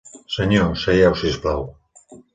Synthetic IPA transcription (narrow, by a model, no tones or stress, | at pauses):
seɲosejawsisplaw